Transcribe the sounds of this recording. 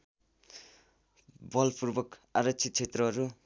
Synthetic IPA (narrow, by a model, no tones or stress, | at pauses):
bʌlpuɾbʌkaɾʌt͡ʃʰit̪̚t͡ʃʰet̪ɾʌɦʌɾu